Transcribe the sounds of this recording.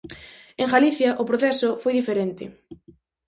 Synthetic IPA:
eŋɣaliθjɐʔʊpɾoθɛsʊfojðifeɾent̪ɪ̰

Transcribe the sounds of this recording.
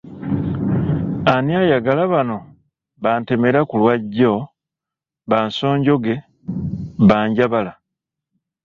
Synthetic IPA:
aniajaɡalaβano̞ | βaːnte̞me̞ɾakulwaɟːo̞ | βaːnso̞ːɲɟo̞ɡe̞ | βaːɲɟaβala

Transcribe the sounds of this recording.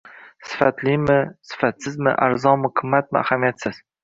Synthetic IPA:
sɪ̥fat̪limɪsɪ̥fat̪sɪzmɪ̰ʔaɾzɒnmɪkʰʊmːat̪̚mɪa̰hamijat̪sɪz̥

